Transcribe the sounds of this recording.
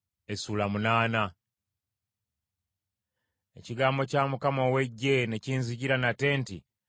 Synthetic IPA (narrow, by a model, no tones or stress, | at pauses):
e̞suːlamunaːna | e̞̰ciɡaːmbo̞camukamo̞ːwe̞ɟːe̞ne̞ciːnziɟiɾanate̞ːntḭ